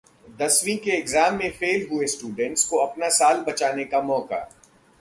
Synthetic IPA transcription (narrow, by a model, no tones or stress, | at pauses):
d̪ɐsʋĩkeɪɡzaːmːẽfeːlɦuesʈuːɖə̃ɳʈskoɐpnasaːlbɐt͡ʃaːnekamɔːka̰